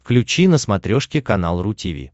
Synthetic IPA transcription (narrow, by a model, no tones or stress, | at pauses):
fklʲʉt͡ɕinəsmɐt̪ɾʲoʂkʲɪkɐnalˠrʊtʲivʲḭ